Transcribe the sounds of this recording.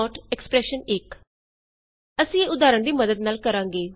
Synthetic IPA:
ɔːʈɛkspɾɛːʃənɪk | əsĩːeːʊd̪aːɾəɳd̪iːməd̪əd̪naːlkəɾãːŋɡeː

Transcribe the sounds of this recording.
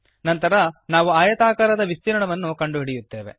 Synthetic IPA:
nɐnt̪ɐɾɐnaːʋuaːjɐt̪aːkaːɾɐd̪ɐʋist̪iɾɐɳɐʋɐnːukɐɳɖuɦiɽijut̪ːe̞ːʋe̞̰

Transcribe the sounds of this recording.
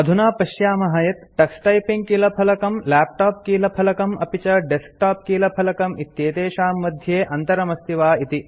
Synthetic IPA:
ɐd̪ʱunaːpɐʃjaːmɐɦɐjɐt̪ʈɐksʈɐjpiŋɡ̚kiːlɐpʰɐlɐkɐmlæːp̚ʈaːp̚kiːlɐpʰɐlɐkɐmɐ̰pit͡ʃɐɖesk̚ʈaːp̚kiːlɐpʰɐlɐkɐmit̪jeːt̪eːʃaːmːɐd̪ʱjeːʔɐnt̪ɐɾɐmɐst̪ʰiʋaːit̪i

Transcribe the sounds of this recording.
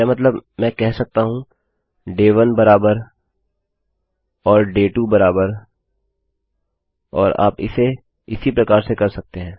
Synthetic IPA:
amɐt̪̬ləbmɛ̃ːkɛɦsɐk̚t̪aɦũ | ɖeːʋɐnbɐɾaːbəɾ | ɔːɾɖeːʈubɐɾaːbəɾ | ɔːɾa̰ːpɪ̰se | ɪsipɾɐkaːɾsekɐɾsɐk̚t̪eɦɛ̃ː

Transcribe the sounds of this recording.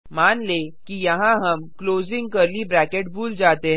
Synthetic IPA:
maːnleːkijɐɦãɦɐmkloːzɪ̃ŋɡkɐɾlibɾɛːkeʈ̚bʱuːld͡ʒaːt̪eɦ

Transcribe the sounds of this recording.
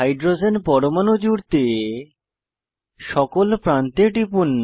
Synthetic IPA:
ajɖɾod͡ʑenpɔɾomanod͡ʑuɾt̪e | ʃɔkolpɾant̪eɖipunː

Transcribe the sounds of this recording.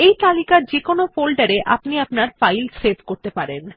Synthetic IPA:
ejt̪alikaɾd͡ʑekonofolɖaɾeʔapniapnaɾfajlsebʱkoɾt̪epaɾen

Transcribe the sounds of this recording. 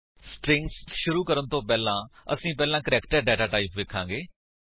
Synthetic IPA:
sʈɾɪ̃ŋɡsʃʊɾuːkəɾənt̪õːpɛːlãːə̰sĩːpɛːlãːkəɾɛːkʈəɾɖɛːʈaːʈaːɪpʋeːkʰːãːɡeː

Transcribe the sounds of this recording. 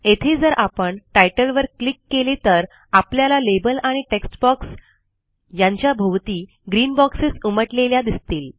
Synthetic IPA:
et̪ʰed͡zəɾʔapəɳʈajʈəlʋəɾklikːelet̪əɾ | apljalalebəlaɽ̃iʈeksʈbɔks | jaɲt͡ɕjabʱəʋt̪iː | ɡɾiːnbɔksesuməʈleljad̪ist̪iːl

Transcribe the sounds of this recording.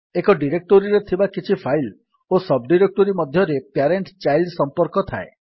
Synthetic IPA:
ekɔɖiɾek̚ʈoɾiɾet̪ʰibakit͡ʃʰipʰajl | osɔbɖiɾek̚ʈoɾimɔd̪ʱjɔɾepjaɾeɳʈt͡ʃajlɖsɔmpɔɾkɔt̪ʰaḛ

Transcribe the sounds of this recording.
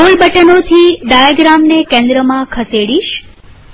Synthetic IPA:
əlbʱəʈənot̪ʰiɖ̪ajaɡɾamnekẽnd̪ɾəmãkʰəseɽiʃ

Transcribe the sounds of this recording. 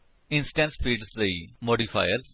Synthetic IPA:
ɪ̃nsʈɛ̃nsfiːɖsd̪imoːɖifa̰ɪəɾz

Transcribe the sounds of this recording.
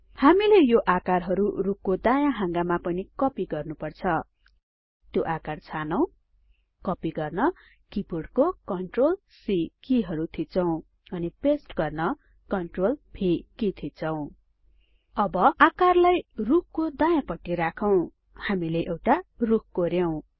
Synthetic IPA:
hamilejoʔakarɦʌɾurukʰkod̪ajãɦãŋɡamapʌnikʌpiɡʌrnupʌrt͡sʰʌ | t̪joʔakart͡sʰanʌw̃ | kʌpiɡʌrnʌ | kipuɽkokʌɳʈrol | sikiɦʌɾut̪ʰit͡sʰʌw̃ | ʌnipesʈɡʌrnʌ | kʌɳʈrolpʰikit̪ʰit͡sʰʌw̃ | ʌbʌakarlajruk̚ʰkod̪ajãpʌʈːiɾakʰʌw̃ | hamileʔewʈaruk̚koɾjʌw̃

